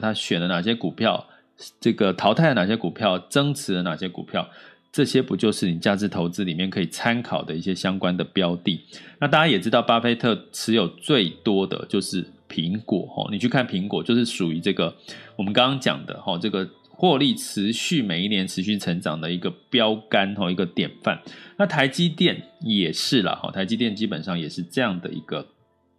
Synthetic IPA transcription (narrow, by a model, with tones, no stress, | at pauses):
t̪ʰa˥ɕɥɛ˨˩nlə˦na˨˩ɕ̬jɛ˥ku˨˩pʰjɑ˥˩ʊ | ʈ͡ʂɤ˥˩ɡə˩t̪ʰɑ˨˧˥ʊt̪a˥˩d̪ə˩na˨˩ɕjɛ˥ku˨˩pʰjɑ˥˩ʊʈ͡ʂɤ˥ŋt͡sʰɻ̩˧˥lə˧na˨˩ɕjɛ˥kṵ˨˩pʰjɑ˥˩ʊ | ʈ͡ʂɤ˥˩ɕjɛ˥pu˧˦˥t͡ɕjo˥˧ʊʂɻ̩˥˩ni˨˩t͡ɕja˥˧ʈ͡ʂɻ̩˥˩t̪ʰo˧˥ʊt͡sɹ̩˥li˨˩mjɛ˥˩nkʰɤ˧˥i˨˩t͡sʰa˥nkʰɑ˨˩ʊd̪ə˦i˥˩ɕjɛ˥ɕjɑ˥ŋkwa˥nd̪ə˨pjɑ˥ʊt̪i˥˨˩na˥˧˩t̪a˥˩t͡ɕja˥jɛ˨˩ʈ͡ʂɻ̩˥t̪ɑ˥˩ʊpa˥fe˥ɪt̪ʰɤ˥˩ʈ͡ʂʰɻ̩˧˥jo˨˩ʊt͡swe˥˩ɪt̪wɔ˥d̪ə̰˨t͡ɕjo˥˧ʊʂɻ̩˥˩pʰi˧˥ŋkwɔ̰˨˩˦xɔ̰˥˩ni˨˩t͡ɕʰy˥˩kʰa˥˩npʰi˧˥ŋkwɔ˨˩t͡ɕjo˥˧ʊʂ̬ɻ̩˥˩ʂu˨˩y˧˥ʈ͡ʂɤ˥˩ɡə˩wɔ˨˩mə˦nkɑ˥ŋkɑ˥ŋt͡ɕjɑ̰˨˩ŋd̪ə̰˦xɔ˥˨ʈ͡ʂɤ˥˩ɡə˩ | xwɔ˥˧li˥˩ʈ͡ʂ̩ʰ˧˦ɕy˥˩me˨˩ɪi˥˩njɛ˧˥nʈ͡ʂʰɻ̩˧˦ɕy˥˩ʈ͡ʂʰə˧˥ŋʈ͡ʂɑ˨˩ŋd̪ə˦i˧˥ɡə˧pjɑ˥ʊka˦˥nxɔ˥˧i˧˥ɡə˧t̪jɛ˨˩nfa̰˥˩nna˥˩t̪ʰa˧˥ɪt͡ɕi˥t̪jɛ˥˩njɛ˨˩ʂɻ̩˥˩lə̰˩xɔ̰˨˩t̪ʰa˧˥ɪt͡ɕi˥t̪jɛ˥˨nt͡ɕi˥pə˨˩nʂɑ˥˩ŋjɛ˨˩ʂɻ̩˥˧ʈ͡ʂɤ˥˧jɑ˥˩ŋd̪ə̰˩ḭ˧˥ɡ̥ə˧